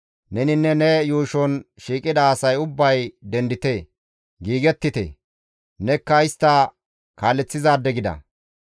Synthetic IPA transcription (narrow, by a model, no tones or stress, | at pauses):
nɛnɪnːɛnɛjuːʃɔnʃiːkʼɪd̪ɐːsɐjʊbːɐjd̪ɛnd̪ɪt̪e | ɡiːɡɛt̪ːɪt̪ḛ | nɛkːɐɪst̪ːɐ | kaːlːɛt͡sːɪzaːd̪ːɛɡɪd̪ɐ̰